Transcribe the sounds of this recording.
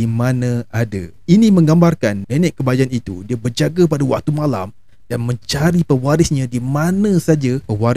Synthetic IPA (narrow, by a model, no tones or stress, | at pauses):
imãnãʔada̰ | inĩmə̃ŋɡambarkanmɛnɛ̃ʔkːəbad͡ʒaanit̪ṵdiabərd͡ʒaɡapadawa̰k̚t̪umãla̰m | d̥anmə̃ɲt͡ʃaɾipəwaɾɪsɲãdimãnə̃sad͡ʒapəwaɾ